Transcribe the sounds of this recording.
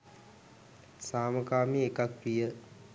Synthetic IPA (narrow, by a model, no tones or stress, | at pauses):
saːməkaːmiekakpijə